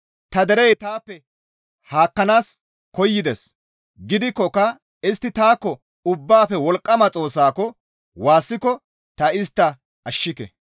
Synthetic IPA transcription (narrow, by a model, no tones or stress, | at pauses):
t̪ɐd̪ɛɾɛjt̪aːpːɛ | haːkːɐnaːs | kɔjːɪd̪ɛs | ɡɪd̪ɪkːɔkɐ | ɪst̪ːɪt̪aːkːɔ | ʊbːaːfɛwɔlkʼːɐmɐt͡sʼo̞ːsaːkɔ | waːsːɪkɔ | t̪ɐɪst̪ːɐ | ɐʃːɪkɛ̰